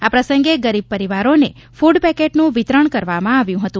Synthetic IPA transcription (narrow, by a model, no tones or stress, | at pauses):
apɾəsəŋɡeɡəɾib̚pəɾiʋaɾone | fuɖpɛkeʈnũʋit̪ɾəɳkəɾʋamãaʋjũɦət̪ũ